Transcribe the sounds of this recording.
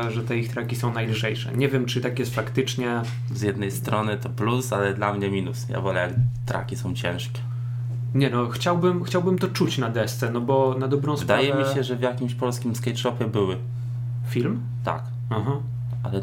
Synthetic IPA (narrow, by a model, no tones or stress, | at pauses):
ʐɛt̪ɛixt̪ɾakʲisɔ̃w̃najlʐɛjʂɛ̰ɲɛvʲjɛmt͡ʂɘt̪akjɛst̪fakt̪ɘt͡ʂɲɛ | zʲjɛd̪nɛjst̪ɾɔnɘt̪ɔplusalɛd̪lamɲɛmʲinusja̰vɔlɛjakt̪ɾa̰kʲisɔ̃w̃t͡ɕɛ̰̃w̃ʂkʲɛ̥ | ɲɛnɔxt͡ɕawbɘmxt͡ɕawbɘmt̪ɔt͡ʂut͡ɕnad̪ɛst̪sɛnɔbɔnad̪ɔvbɾɔ̃w̃sd̪aajɛmʲiɕɛʐɛvjakʲimɕpɔlskʲimskajʂɔpʲjɛbɘwɘ | fʲilm | t̪a̰k | aɦa | a̰lɛ